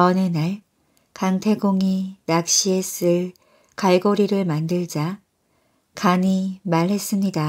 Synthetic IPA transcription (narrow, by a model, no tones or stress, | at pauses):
ʌnenaɭ | kaŋtʰe̞ɡoŋinak̚ɕ͈ie̞s͈ɯɭ | kaɭɡoɾiɾɯɭmandɯɭd͡ʑa | kaɲimaɾɭɦe̞s͈ɯmɲida